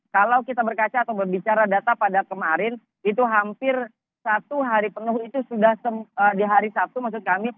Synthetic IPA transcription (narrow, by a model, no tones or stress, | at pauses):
kalawkit̪abərkat͡ʃaːt̪awbərbit͡ʃaɾadat̪apadakəmaɾɪn | it̪uɦampɪr | sat̪uɦaɾipənuhit̪usudahsəmədiɦaɾisap̚t̪umaksʊt̪̚kami